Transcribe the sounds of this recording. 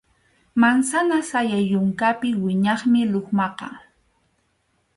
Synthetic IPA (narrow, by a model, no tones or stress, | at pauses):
mansanasajajʊŋkapɪwɪɲɑχmɪloχmɑqɑ̰